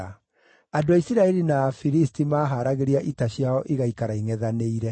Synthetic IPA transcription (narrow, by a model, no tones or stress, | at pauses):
a | adoaisiɾaɛɾinaːfiɾistimaːɦaɾaɣeɾiaʔitaɕjaɔʔeɣaikaɾaiŋɛðaneiɾɛ